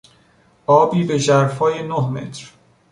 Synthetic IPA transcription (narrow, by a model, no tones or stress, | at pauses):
ʔɒːbiːbeʒæɾfɒːjenohme̞̰t̪ʰɾ